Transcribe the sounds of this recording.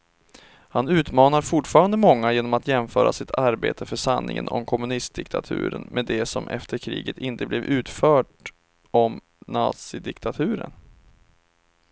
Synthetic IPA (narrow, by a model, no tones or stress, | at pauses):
hanʉ̟ːt̪mɑːnaɾfʊʈfɑːɾand̪əmɔŋːajeːnɔmat̪jɛmfœːɾʔa̰sɪt̪ʰaɾbḛːt̪ʰəfœʂanːɪ̰ŋə̰nɔ̰mkʰɔmɵnɪst̪̚d̪ɪkt̪ʰat̪ʰʉ̟̰ːɾənmʔed̪ɛsɔmʔɛ̰ft̪ʰəɾkʰɾḭːɡət̪ɪnt̪əblɛvʉ̟ːt̪fœːʈ | ɔm | nɑ̰ːt̪sɪd̪ɪkt̪ʰat̪ʰʉ̟ːɾə̰n